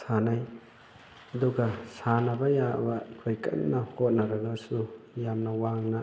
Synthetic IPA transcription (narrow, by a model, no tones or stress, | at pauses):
sanaj | ɐduɡɐsanɐbɐjaʔɐ̰bɐikʰojkɐ̰t̚nɐhot̚nɐɾɐɡɐsujamnɐwaŋnɐ